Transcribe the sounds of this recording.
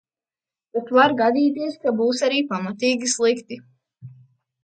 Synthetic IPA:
t̪at̪vaɾɡad̪iːt̪̬iɛskabuːsaɾiːpamat̪iːɡʲislˠikt̪i

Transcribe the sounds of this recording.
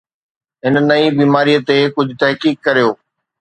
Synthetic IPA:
ɦɪnnɐibiːmaːɾiːət̪ekʊd͡ʑʱʊt̪ɛɦkiːkːɐɾijoː

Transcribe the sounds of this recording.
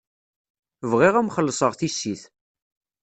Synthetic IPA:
vʁiʁæmχəlːəsˤəʁθisːiθ

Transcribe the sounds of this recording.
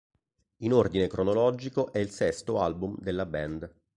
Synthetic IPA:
inord̪inekɾonolɔːd͡ʒikoʔɛilsɛst̪oalbumd̪elːabɛnd̪

